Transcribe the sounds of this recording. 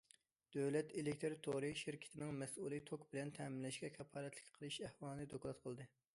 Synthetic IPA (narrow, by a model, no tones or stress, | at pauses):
d̪̥øwlɛt̪elɪkʲt̪ʰeɾt̪ʰoɾɨʃɪɾkʲʰɪ̥t̪ʰɪnɪŋmɛsulˠɨt̪ʰokbɪlɛnt̪ʰɛmɪnlɛʃkʲɛkʲʰɛpʰːɑːɾɛt̪ʰlɪ̥kʲqʰəlˠɨʃæhwɑːlˠɨnɨd̪okʰʲlˠɑt̪̚qʰəlˠd̪ɨ